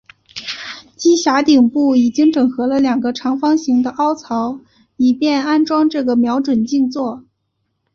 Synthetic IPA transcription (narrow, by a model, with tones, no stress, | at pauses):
t͡ɕi˥ɕja˧˥t̪i˨˩ŋpu˥˩i˨˩t͡ɕi˥ŋʈ͡ʂɤ˨˩ŋxɤ˧˥lə˧ljɑ˨˩ŋɡə˦ʈ͡ʂʰɑ˧˥ŋfɑ˥ŋɕi˧˥ŋd̪ə˧ʔɑ˥ʊt͡sʰɑ˧˥ʊ | i˨˩pjɛ˥˩na˥nʈ͡ʂwɑ˥ŋʈ͡ʂɤ˥˩ɡə˩mjɑ˧˥ʊʈ͡ʂwə˨˩nt͡ɕi˥˧ŋt͡swɔ˥˩